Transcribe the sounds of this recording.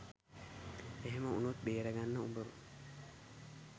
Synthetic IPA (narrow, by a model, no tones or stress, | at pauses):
eɦemɐṵnot̪̚beːɾɐɡanːɐumbɐɾu